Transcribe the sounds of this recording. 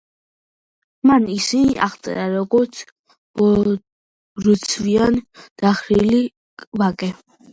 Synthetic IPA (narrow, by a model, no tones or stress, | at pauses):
manisia̰ʁt̪sʼɛ̰ɾaɾɔɡɔɾt̪sʰ | bɔ | ɾut̪sʰviand̪̥aχɾili | vakʼɛ